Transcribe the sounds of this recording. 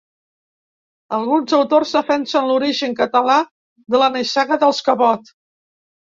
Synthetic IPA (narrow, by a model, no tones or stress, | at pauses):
əlˠɣunzəwt̪orzðəfɛnsənluɾiʒəŋkət̪əla | d̪ələnəsaɣəðəlˠskəβɔt̪